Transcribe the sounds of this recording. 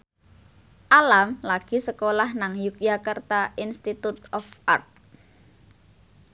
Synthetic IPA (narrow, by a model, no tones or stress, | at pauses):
ʔalamlaɡ̥i̤səkolahnaŋjukjakərt̪aʔinst̪it̪ut̪̚ɔfʔa̰rt̪̚